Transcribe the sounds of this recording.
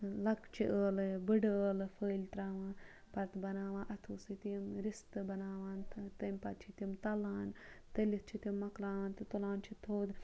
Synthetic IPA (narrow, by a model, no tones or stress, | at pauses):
lɐkt͡ʃʰiʔəːlbɨɖəəːlɨfʰəːlʲt̪ɾaːʋãː | pɐɾt̪bɐnaːʋãːʔɐt̪ʰuːsɨt̪imɾist̪ɨbɐnaːʋaːnt̪ɐmʲpɐt̪̚t͡ʃʰit̪imt̪ɐlaːnt̪ɐlit͡ʃʰit̪imːɐklaːʋaːnt̪ɨt̪ulaːnt͡ʃʰit̪ʰːoːd̪